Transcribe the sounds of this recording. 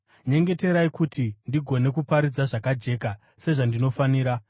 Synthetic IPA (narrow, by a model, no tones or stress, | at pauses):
ɲe̞ŋɡe̞te̞ɾaikutʰindiɡʱo̞ne̞kupaɾid͡zaʐakad͡ʒe̞ːka | se̞ʐandino̞faniːɾa